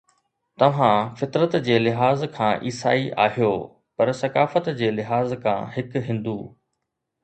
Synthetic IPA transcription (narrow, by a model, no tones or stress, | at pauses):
t̪ɐʋ̤ãfɪt̪ɾət̪d͡ʑeːlɪɦaːzkʰãːʔiːsa̰ːiʔa̰ːɦijoː | pɐɾsɐkaːfət̪d͡ʑeːlɪɦaːzkʰã̰ːɦɪkɦɪ̃nd̪uː